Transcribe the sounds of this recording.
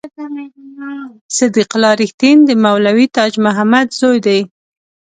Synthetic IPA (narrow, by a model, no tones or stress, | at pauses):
sɪd̪iqlɑɾɪxt̪ind̪əmawlawit̪ɑd͡ʒmʊɦamad̪zojd̪aj